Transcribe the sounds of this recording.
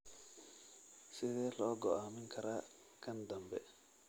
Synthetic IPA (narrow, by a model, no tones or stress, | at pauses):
sɪðɛːlɔːɡɔʔaːmɪŋkʰɐɾaː | kʰɐnd̪ɐmbɛ